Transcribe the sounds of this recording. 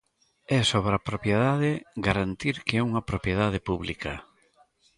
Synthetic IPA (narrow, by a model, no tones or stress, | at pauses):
ɛsoβɾapɾopjeðaðɪɡaɾant̪iɾkeɛuŋɐpɾopjeðaðɪpuβlikɐ